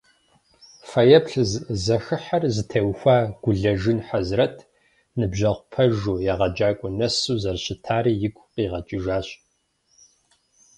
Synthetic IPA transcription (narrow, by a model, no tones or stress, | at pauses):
fɐjɐpɬzzɐxɨħɐrzɨtʰɐwxʷaːɡ̥ʷʊɮɐʒɨnħazrɐtʰ | nɨbʑɐʁʷʊpʰɐʒuːjaːʁɐd͡ʒaːkʷʼʊnɐsuːzɐrɕɪtʰaːɾiːjɪɡʷʼqiːʁɐt͡ʃʼɪʒaːɕʼ